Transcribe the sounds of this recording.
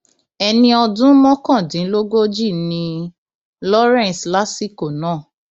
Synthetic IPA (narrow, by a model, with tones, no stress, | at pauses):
ɛ˧nĩ˧ɔ˧dũ˦mɔ̃˦kã˦˨dĩ˨˦lo˦ɡo˦d͡ʒi˦˨nĩ˧ | lɔ˦ɾɛ̃˦˨n˨sla˦si˦˨ko˨nãː˦˨